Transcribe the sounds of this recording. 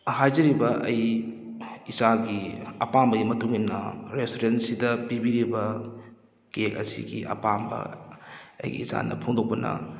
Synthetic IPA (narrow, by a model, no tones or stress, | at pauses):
hajd͡ʒɐɾibɐʔɐj | isaɡiɐpambɐɡimɐtuŋinːɐ̰ɾestoɾensidɐpibiɾibɐ | kekɐsḭɡḭʔɐ̰pambɐ̰ | ɐ̰jɡḭisa̰nɐ̰pʰoŋdok̚pɐnɐ̰